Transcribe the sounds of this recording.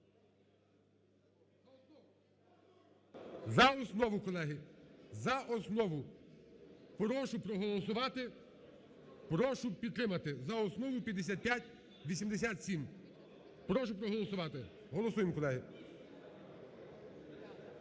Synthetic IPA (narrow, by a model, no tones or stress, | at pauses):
zɐɔsnɔʋʊkɔlˠɛɦɪzɐʔɔsnɔʋʊ | pɾɔʃʊpɾɔɦɔlˠɔs̬ʊʋɑt̪ɪ | pɾɔʃʊpʲid̪̚t̪ɾɪmɐt̪ɪzɐɔsnɔʋʊpʲjɐd̪ːes̬ʲat̪̚pʲjatʲ | ʋʲisʲimd̪es̬ʲat̪sʲim | pɾɔʃʊpɾɔɦɔlˠɔsʊʋɑt̪ɪ | ɦɔlˠɔsujɪmkɔlˠɛɦɪ